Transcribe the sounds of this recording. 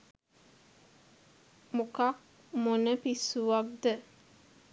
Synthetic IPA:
mukak̚ | monəpisuʋak̚d̪ə

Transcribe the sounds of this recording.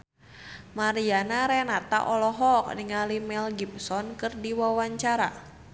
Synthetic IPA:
maɾianaɾɛnat̪a̰ʔɔlɔɦɔk̚niŋalimɛlɡipsɔnkɨrdiwawaɲt͡ʃaɾa̰

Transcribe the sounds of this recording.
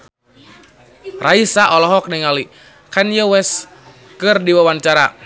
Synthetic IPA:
raisaʔɔlɔɦɔk̚niŋali | kanjəwɛs | kɨrdiwawant͡ʃaɾa

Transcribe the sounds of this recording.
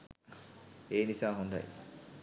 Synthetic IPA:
eːnisaːɦond̪a̰jḭ

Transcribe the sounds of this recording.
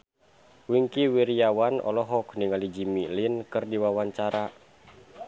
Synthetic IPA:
wiŋkiwiɾijawanɔ̰lɔɦɔkniŋalid͡ʒimilinkɨrdiwawaɲt͡ʃaɾa

